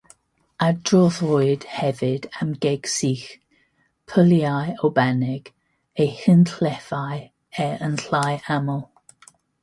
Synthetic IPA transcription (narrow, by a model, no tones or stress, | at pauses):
adrɔːðʊɨd̥hɛvɪd̥amɡeɡ̥siːx | pʰəljajowbɛnɪɡ̥ | ejhɪntʰlɛfaj | ɛənɬajamɔlˠ